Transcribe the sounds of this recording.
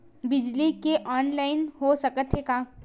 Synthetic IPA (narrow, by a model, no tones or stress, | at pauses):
bɪd͡ʒlikeʔɔːnlaːɪnɦosɐkət̪ʰɦekaː